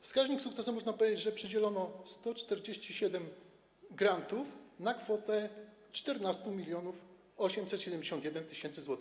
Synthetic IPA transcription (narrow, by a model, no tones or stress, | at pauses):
fskaʑɲiksuk̚t̪sɛsumɔʐnapɔvʲed͡ʑed͡ʑʐɛpʂɘd͡ʑɛlɔnɔst̪ɔt͡ʂt̪ɛɾd͡ʑeɕt͡ɕiɕɛd̪ɛm | ɡɾant̪ufnakfɔt̪ɛ | t͡ʂt̪ɛɾnast̪umʲilʲjɔnuf | ɔɕɛmsɛt̪ɕɛd̪ɛmd͡ʑeɕɔnt̪jɛd̪ɛnt̪ɘɕɛnt̪sɘzwɔt̪ɪx